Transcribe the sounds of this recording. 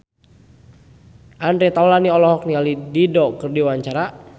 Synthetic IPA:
ʔandɾɛt̪awlaniɔlɔɦɔk̚nialididɔkɨrdiwaɲt͡ʃaɾa

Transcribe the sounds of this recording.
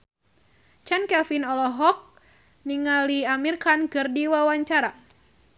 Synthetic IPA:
t͡ʃankɛlfinɔlɔɦɔk̚ | niŋaliamirkankɨrdiwawaɲt͡ʃaɾa

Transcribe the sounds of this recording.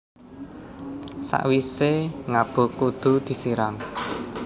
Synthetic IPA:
sa̰ʔwiseŋab̥o̤kud̪̥ṳd̪̥i̤siɾam

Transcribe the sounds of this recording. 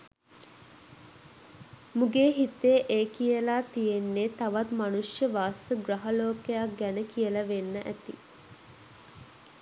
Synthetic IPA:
muɡeːɦit̪ːeʔeːkijəlaːt̪ijenːet̪aʋat̪manuʂjəʋaːsəɡraɦaloːkejaɡænəkijəlɐʋenːəʔæt̪ḭ

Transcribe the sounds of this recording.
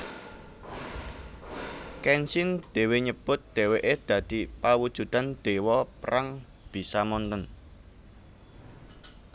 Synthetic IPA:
kɛnsɪnd̪̥e̤weɲəb̥ʊt̪̚d̪̥e̤weʔed̪̥ä̤d̪̥i̤pawud̥ʒ̥ṳd̪and̪̥e̤wɔpɾaŋ | b̥i̤samɔnt̪ən

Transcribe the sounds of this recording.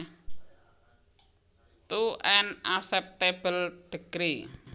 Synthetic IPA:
t̪uʔɛnasɛp̚t̪eb̥əlɖ̥əɡ̥ɾi

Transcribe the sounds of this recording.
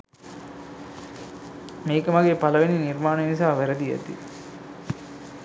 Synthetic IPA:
meːkəmɐɡeːpɐlɐʋeniniɾmaːnenisaːʋæɾɐd̪ijɐ̰t̪ḭ

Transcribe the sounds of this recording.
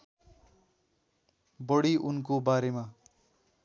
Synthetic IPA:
bʌɽiʔunkobaɾema

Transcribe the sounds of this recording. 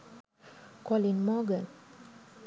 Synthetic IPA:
kɔlinmɔɡən

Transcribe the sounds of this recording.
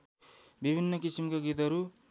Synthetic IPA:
bibʱinːʌkisimkaɡit̪ɦʌɾu

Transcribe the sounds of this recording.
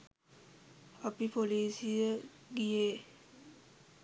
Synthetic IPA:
apipoliːsijəɡijeː

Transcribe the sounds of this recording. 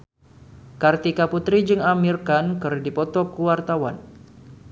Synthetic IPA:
kart̪ikaput̪ɾid͡ʒɨŋamirkankɨrdipɔt̪ɔkuwart̪awa̰n

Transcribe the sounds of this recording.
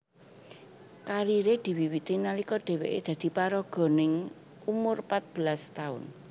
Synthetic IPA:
kaɾiɾed̪̥i̤wiwit̪inalikɔɖ̪̥e̤weʔḛd̪̥ä̤d̪̥i̤paɾɔɡ̥ɔ̤nɪŋ | umʊrpat̪̚b̥ə̤last̪aʊ̰n

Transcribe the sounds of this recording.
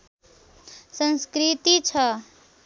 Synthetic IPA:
sənskɾit̪it͡ʃʰʌ

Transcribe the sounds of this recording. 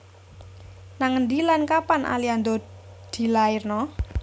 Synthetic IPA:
naŋənd̪ilankapanʔa̰liand̪ɔ | d̪̥i̤laɪrnɔ

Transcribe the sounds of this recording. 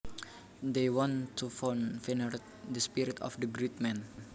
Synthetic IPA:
d̪ejwɔ̃nt̪ʰːufɔnfinəɾt̚ | dəspiɾit̪ɔ̰fdəɡɾit̪̚mɛ̃n

